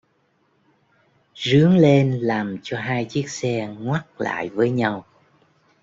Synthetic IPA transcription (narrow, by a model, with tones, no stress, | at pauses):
zɨ˨˦əŋle˧nlaː˨˩mt͡ɕɔ˧ɦaː˧jt͡ɕi˦˥ək̚sɛ˧ŋwa˦˥t̚la̰ː˧˨jvəː˨˦jɲa˧w